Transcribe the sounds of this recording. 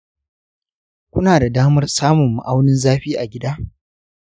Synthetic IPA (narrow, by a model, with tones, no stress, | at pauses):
kʷʊ˦naː˨da˨daː˦mɐ˦rsaː˦mʊ˨mːʊ̰˨ʔa˦wnɪ˦nzaː˦ɸiː˦ʔa˨ɡʲɪ˦daː˦